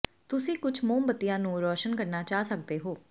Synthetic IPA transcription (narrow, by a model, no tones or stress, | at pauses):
t̪ʊsĩːkʊd͡ʒʰmoːmbət̪ːijãːnũːɾɔːʃənkəɾnaːt͡ʃaːsəkd̪eːɦoː